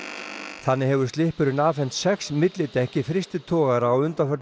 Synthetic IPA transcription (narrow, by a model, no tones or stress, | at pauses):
θanːɪɦɛvʏɾst̪lɪhpʏɾʏnaːfɛn̥t̪sɛksmɪt̪lɪt̪ɛhcɪfɾɪst̪ɪt̪ʰɔːɣaɾaːwʏnt̪afœt̪